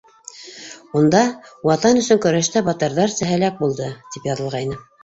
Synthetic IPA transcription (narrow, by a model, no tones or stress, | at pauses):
und̪ɑwɑt̪ɑnɵ̆sɵŋkɵ̆ɾæʃt̪æbɑt̪ɤ̆ɾðɑɾsæɦælæk̚bulˠd̪ɤt̪ipjɑðɤ̆lˠʁɑjnɤ